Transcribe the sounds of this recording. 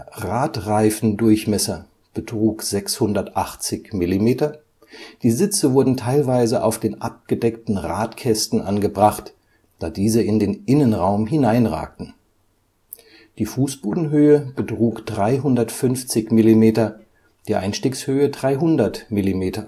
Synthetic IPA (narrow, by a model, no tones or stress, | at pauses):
ʁaːtʁaɪfn̩dʊɐçmɛsɐ | b̥ətʁ̥uːkz̥ɛkshʊndɐtʔaχt͡sɪçmɪlimeːtɐ | d̥iːzɪt͡səvʊɐdn̩tʰaɪlvaɪzəʔa̰ʊfd̥eːnʔap̚ɡ̥ədɛktn̩ʁa̰ːtkʰɛstn̩ʔanɡəbʁaχt | d̥aːdiːzəɪndeːnʔɪnənʁaʊmɦɪnaɪnʁa̰ːk̚tn̩ | d̥iːfuːsb̥oːdn̩ɦøːəb̥ətʁ̥uːkd̥ʁaɪɦʊndɐtfʏnft͡sɪçmɪlimeːtɐ | d̥iːʔa̰ɪnʃtiːkshøːədʁaɪɦʊndɐtmɪlimeːtɐ